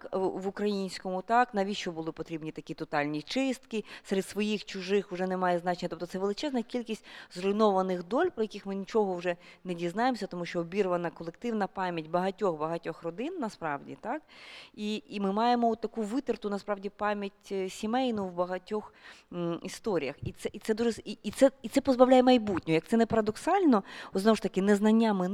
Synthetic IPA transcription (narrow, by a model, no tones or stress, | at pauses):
ʋʊkɾɐjinʲsʲkɔmʊt̪ɑknɐʋʲiʃt͡ʃɔbʊlˠɪpɔt̪ɾʲibnʲit̪ɐkʲit̪ɔt̪ɑlʲnʲit͡ʃɪst̪kɪseɾed̪sʋɔjixt͡ʃʊʒɪxʊʒɛnemɑjɛznɑt͡ʃenʲːɐt̪ɔp̚t̪ɔsɛʋelˠɪt͡ʃɛznɐkʲilʲkʲisʲtʲzrɔjnɔʋɐnɪxd̪ɔlʲpɾɔjɐkʲɪxmɪnʲit͡ʃɔɦɔwʒɛnedʲiznɑjemɔsʲɐt̪ɔmuʃt͡ʃɔɔbʲiɾʋɐnɐkɔlˠek̚t̪ɪwnɐpɑmʲjɐtʲbɐɦɐtʲɔxbɐɦɐtʲɔxrɔd̪ɪnːɐspɾɑwdʲḭt̪ɑkiimɪmɑjemɔɔt̪ːɐkuʋɪt̪ɪrt̪ʊnɐspɾɑʋdʲipɑmʲjɐtʲsʲimɛjnʊwbɐɦɐtʲɔx | ist̪ɔɾʲijɐxit̪sɛit̪sɛd̪uʒɛsiit̪sɛit̪sɛpɔzbɐʋwlʲajɛmɐjbutʲnʲɔjɐk̚t̪sɛnɛpɐɾɐd̪ɔksɑlʲnɔɔznɔʋɔʃt̪ɐkɪnɛznɐnʲːamɪn